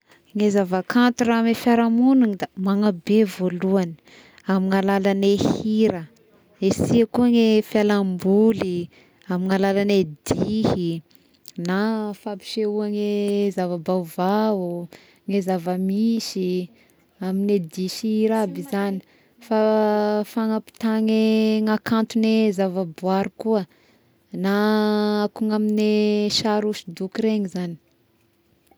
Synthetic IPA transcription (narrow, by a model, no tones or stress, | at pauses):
ŋezavəkant̪uɾamefjaɾamununid̪amaŋabevoluani̥ | amiŋalalanehiɾə | esiəkuaŋefjalambuli | amiŋalalaned̪ihi | nafapi̥ʃeuaŋezavabawvau | ŋezavəmisi | amined̪iʃiɾabizani̥ | fafaŋapi̥t̪aŋeŋakant̪unezavabuaɾukuə | naakuŋamineʃaɾuʃid̪ukɾeŋizani̥